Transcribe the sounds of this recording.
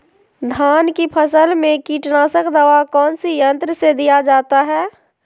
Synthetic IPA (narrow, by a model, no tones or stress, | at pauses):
d̪ʱaːnkipʰəsəlmẽkiːʈnaːsəkd̪əʋakɔːnsijə̃nt̪ɾəsed̪ijad͡ʒaːt̪aɦɛː